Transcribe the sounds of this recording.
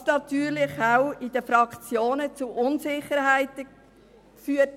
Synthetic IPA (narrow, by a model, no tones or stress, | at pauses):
snɑt̪yːɾlɪχaʊɪd̥əfɾɑkt͡sjoːnət͡suʔʊnsɪχəɾhæɪt̪ə | kfyːət